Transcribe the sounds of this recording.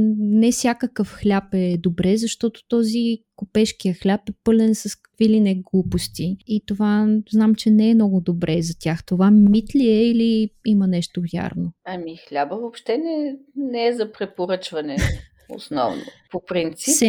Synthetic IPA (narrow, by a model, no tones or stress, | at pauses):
nɛfsʲjakəkəfxlʲapɛd̪obɾɛzɐʃt̪ɔt̪o̥t̪ɔzikopɛʃkijəxlʲapɛpɤlʲɛnsɐskə̥kvilinɛɡlˠupost̪iit̪ovaznamt͡ʃɛnɛɛmnɔɡʊd̪obɾʔɛzɐt̪ʲjaxt̪ovamit̪liɛiliimɐnɛʃt̪oja̰ɾnoɐmixlʲabəvopʃt̪ɛnɛnɛɛzɐpɾɛpoɾɤt͡ʃvɐnɛ | o̰snɔ̰vno̰popɾint̪sisɛ